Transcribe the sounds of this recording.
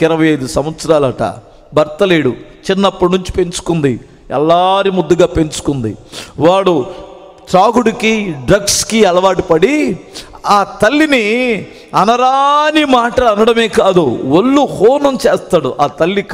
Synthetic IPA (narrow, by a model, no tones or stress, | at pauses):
ɪɾɐʋɐjɐjd̪usɐmʋɐt̪sɐɾaːlɐʈɐ̰ | bɐɾt̪ɐleːɽu | t͡ʃinːɐpːɐɽnuɲt͡ʃi̥pe̞ɲt͡ʃu̥kund̪i | ɛ̰lːaːɾimud̪ːɐɡaːpe̞ɲt͡ʃu̥kund̪ḭʋaːɽu | t͡ʃ̪ɾaːɡuɽikiɖɾɐɡskiɛlɐʋaːʈipɐɽi | aːt̪ɐlːini | ɐnɐɾanimaːʈɐlɐnɐɽɐme̞ːkaːd̪uʋolːuhoːnɐmt͡ʃeːst̪aːɽuʔaːt̪ɐlːik